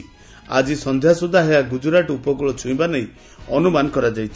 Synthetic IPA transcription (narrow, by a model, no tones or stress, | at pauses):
a̰d͡ʒisɔnd̪ʱjasud̪ʱaɦeaɡud͡ʒuɾaʈupɔkɔɭɔt͡ʃʰuĩbanɔĩ | ɔnumanɔkɔɾad͡ʒajt͡ʃʰi̥